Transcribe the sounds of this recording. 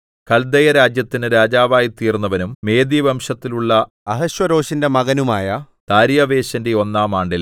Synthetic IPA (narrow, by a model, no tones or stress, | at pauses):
kɐld̪ɐjɐɾaːd͡ʑjɐt̪ːinɨɾaːd͡ʑaːʋaːjit̪iːrnːɐʋɐnumːe̞ːd̪iʋɐmʂɐt̪ːiluɭːɐ | ɐɦɐɕwɐɾo̞ːɕinde̞mɐɣɐnumaːjɐ | t̪aːɾjɐʋe̞ːɕɐnde̞o̞nːaːmaːɳɖil